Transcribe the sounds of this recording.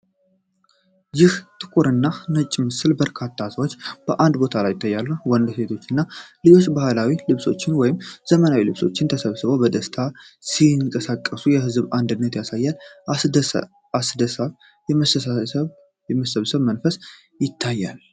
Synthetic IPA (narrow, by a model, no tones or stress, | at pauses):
jɪht̪ʼɨkʼuɾɨnːanət͡ʃʼːmɨsɨlbəɾkʰat̪ʰːasəwot͡ʃːb̥əʔand̪bo̞t̪ʰalajɪt̪ʰːajːalːuwɔnd̪se̞t̪ʰo̞t͡ʃːɨnːalɨjo̞t͡ʃːbahlawilɨβso̞̰t͡ʃːɪnwɔjɪmz̥əmənawilɨβso̞̰t͡ʃːɪnt̪ʰəsəβsɨβobəd̪əst̪ʰasiŋkʼəsakʼːəsujɛhɨzβand̪ɨnːət̪jasajːal | asd̪əsaβ | jɛməsəsasəβ | jɛməsəβsəβmənfəs | jɪt̪ʰːajːa̰l